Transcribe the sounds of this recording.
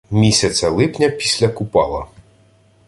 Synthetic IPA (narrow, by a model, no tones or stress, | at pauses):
mʲisʲɐt͡s̪ʲɐlˠɪpnʲɐpʲisʲlʲɐkʊpɑlˠɐ̰